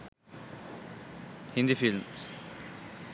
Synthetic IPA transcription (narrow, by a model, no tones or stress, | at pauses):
hĩnd̪ifilms